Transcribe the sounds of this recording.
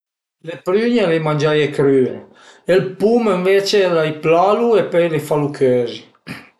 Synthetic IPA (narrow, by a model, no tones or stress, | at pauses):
lepɾyɲelejmand͡ʒajekɾyːɾ | elpuməɱveːt͡ʃelajplaluepɔjlefalukʰøːzi